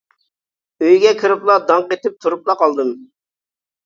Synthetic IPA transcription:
øjɡʲɛkʲʰɨɾɪplˠɑd̪ɑŋqet̪ɪp̚t̪ʰuɾuplˠɑqɑlˠd̪ɨm

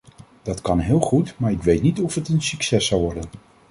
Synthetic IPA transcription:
d̥ɑtkɑnɦɪːlˠχutmaːɹɪkʋejtnitɔfətənsyksɛsɑwʋɔɹdən

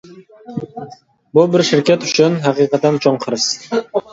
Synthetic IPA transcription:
bulˠbɪɾʃɪɾkʲʰet̪y̥ʃynɦɑqiqɑt̪ːɑnt͡ʃʰoɴqʰəɾɯs

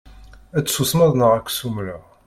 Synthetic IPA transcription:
æt͡sːusmæðˤnəʁækʷːsumɾa

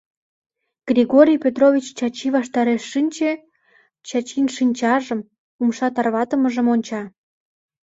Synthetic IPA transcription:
ɡ̥rʲiɣoɾʲijpʲet̪rovʲit͡ɕt͡ɕɑt͡ɕiβɑʃt̪ɑɾeʃːinʲt͡ɕe | t͡ɕɑt͡ɕinʃinʲt͡ɕɑʒəm | umʃɑt̪ɑrβɑt̪əməʒəmonʲt͡ɕɑ

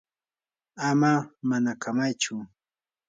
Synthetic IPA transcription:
amamanakʰamajt͡ʃʊ

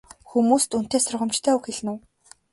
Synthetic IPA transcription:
xumuːst̪un̥t̪eːsʊrʁə̆mt͡ɕt̪ʰæːuxeɮnuː

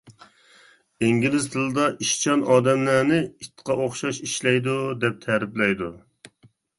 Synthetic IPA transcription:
eŋɡʲilɪzt̪ʰɨlˠɨd̪ɑʔiʃt͡ʃʰɑnɑːd̪ɛmlænɪit̪ʰːqʰɑʔoχʃɑʃiʃlɛjd̪ud̪ɛp̚t̪ʰɛɾɪplɛjd̪u

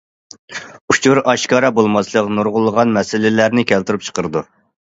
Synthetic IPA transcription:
ut͡ʃʰuɾɑʃkɑɾɑbolˠmɑslˠəqnuɾʁʊlˠːəʁɑnmɛsɪlɪlæɾnɪkʲʰælt̪yɾyp̚t͡ʃʰə̥qəɾɨd̪u

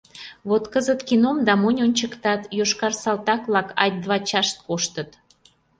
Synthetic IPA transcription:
βot̪kəzət̪kinomd̪ɑmonʲonʲt͡ɕəkt̪ɑt̪joʃkɑrsɑlt̪ɑkβlɑkɑ̰t̚ʲd̪βɑt͡ɕɑʃt̪̚koʃt̪ət̪

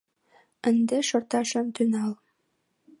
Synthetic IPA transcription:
ɘ̆nd̪ɘʃɤ̆rt̪ɑʃɤmt̪ynɑlˠ

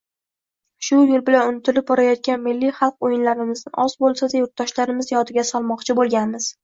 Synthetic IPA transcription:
ʃʊjʊɾbɪlanʊnɪt̪ʰɪlɪp̚bɒɾajɒt̪̚kʲanmɪlːijχɑlˠq̚ojɪnlaɾɪmɪznɪʔɒzbolˠsad̪ajʊɾt̪̚d̪ɒʃlaɾɪmɪzjɒt̪ʰɪɡʲasɒlˠmɒqt͡ʃʰɪbolˠɡʲanmɪz̥

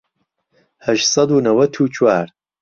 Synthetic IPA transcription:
hɐʃsˤɐd̪uːnɐwɐt̪ʰuːt͡ʃʰwaːɾ

